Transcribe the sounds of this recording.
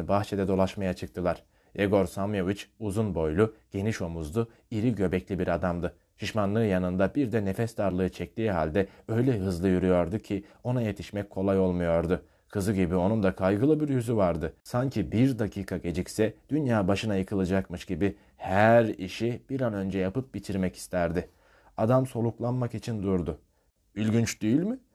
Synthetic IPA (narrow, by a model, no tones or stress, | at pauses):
baxt͡ʃʰed̪ɛd̪o̞lˠaʃmajat͡ʃʰɯk̚t̪ʰɯlˠaɾ̥ | eɡo̞ɾsamjo̞vit͡ʃuzunbo̞jlˠuɟ̥e̞niʃo̞muzd̪u | iɾiɟø̞bɛclʲibiɾad̪amd̪ɯ | ʃiʃmanlˠɯːjanɯnd̪abiɾd̪ɛnefɛst̪aɾlˠɯːɯt͡ʃʰɛc̚t̪iːɦa̰lʲd̪ɛø̞jlʲɛɦɯzlˠɯjyɾyjo̞ɾd̪ucʰio̞naje̞t̪ʰi̥ʃmɛc̚kʰo̞lˠajo̞lˠmujo̞ɾd̪ʊ | kʰɯzɯɟibio̞nund̪akʰajɡɯlˠɯbiɾjyzyvaɾd̪ɯsaɲcʰibiɾd̪acʰiːkʰaɟe̞d͡ʒicsɛd̪̥ynjaːbaʃɯnajɯkʰɯlˠɯd͡ʒakmɯʃɟ̥ibɪ | hæɾḭʃib̥iɾanø̞nd͡ʒɛjapɯp̚bit̪ʰiɾmɛci̥st̪ʰæɾd̪ɪ | ad̪amso̞lˠuklˠanmakit͡ʃʰind̪uɾd̪ʊ | ylʲɟʲynt͡ʃd̪ijilʲmɪ